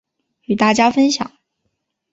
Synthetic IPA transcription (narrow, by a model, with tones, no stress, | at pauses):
y˨˩t̪a˥˩t͡ɕja˥fə˥nɕjɑ̰˨˩˦ŋ